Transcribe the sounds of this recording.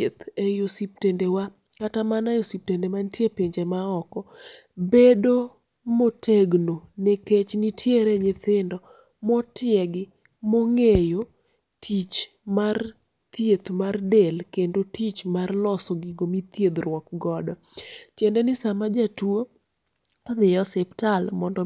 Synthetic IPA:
et̪ejosip̚tendewa | katamanajosip̚tendemantjepeɲd͡ʒemaɔkɔ | bedo | motʰeɡnonɛket͡ʃnitʰjeɾɛɲɪt̪ɪndɔ | mɔtɪjɛɡɪ | mɔŋejo | tʰit͡ʃ | mar | t̪jet̪mardɛlkendotit͡ʃmarlɔsɔɡiɡomit̪jed̪rwɔk̚ɡɔdɔ | tjɛndɛnɪsamad͡ʒatwo | ðɪjɔsɛptalmɔndɔ

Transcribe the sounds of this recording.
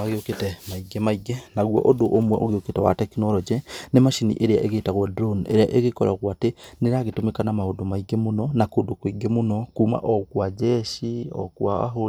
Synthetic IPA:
aɣeoketɛmaiɡɛmaiɡɛnaɣwɔ̰ʔodoʔomwɛʔoɣeoketɛwa̰tɛkinɔɾɔd͡ʒɛnemaʃinḭʔeɾea̰ʔeɣeitaɣwɔdɾonḛɾea̰ʔeɣekɔɾaɣwateneɾaɣetomekanamahodomaiɡɛmonɔnakodokwiɡɛmonɔkuːma̰ʔɔkwad͡ʒɛʃiɔ̰kwaa̰ɦoɾ

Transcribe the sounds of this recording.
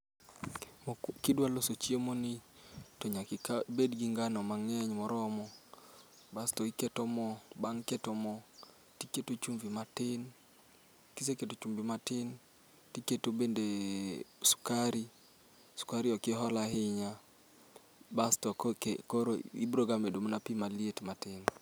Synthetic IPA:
kɪdwalosot͡ʃiemonitoɲabedɡiŋɡanɔmaŋɛɲmɔɾɔmɔ | bastɔikɛtɔmɔbaŋkɛtɔmɔ | tiketot͡ʃumvimatɪn | kiseketot͡ʃumbimatɪn | tiketobende | su̥kaɾi | su̥kaɾɪɔkɪɦɔlahɪɲa | bastɔkkoɾoibɾoɡamedomonapimalietmatɪn

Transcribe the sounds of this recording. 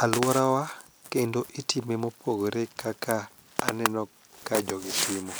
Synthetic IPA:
alwɔɾawa | kendoʔitimemopʰoɡoɾekʰakʰaː | nɛnɔ | kad͡ʒɔɡɪtɪmɔ

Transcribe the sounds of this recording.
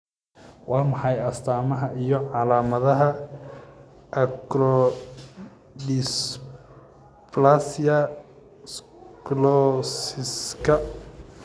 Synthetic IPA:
wɑːmɑħɑjɐst̪ʰaːmɐɦɐʔijɞʕɑlaːmɐðɐɦɐ | ʔɐkɾɔ | dis | plasijɐ | s | klɔsɪskʰɐ

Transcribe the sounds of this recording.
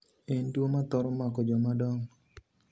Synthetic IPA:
endwomat̪ɔɾɔmakɔd͡ʒɔmadɔŋ

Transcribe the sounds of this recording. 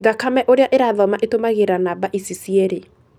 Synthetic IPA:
ɡakamɛʔoɾeaʔeɾaðɔmaʔetomaɣeɾanabaʔisisiɛɾe

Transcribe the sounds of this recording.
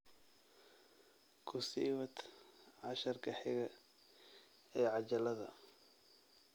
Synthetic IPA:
kʰʊsiːwɐd̪ʕɑʃɐrkʰɐħɪɣɐ | ɛːʕɑt͡ʃɐlɐðɐ̰

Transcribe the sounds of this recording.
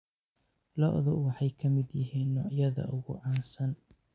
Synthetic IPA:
lɔ̰ʔðʊwɑħɑjkʰɐmɪd̪jɪɦiːnːɔːʕjɐðɐ̰ʔʊɣʊ̰ʕɑːnsɐn

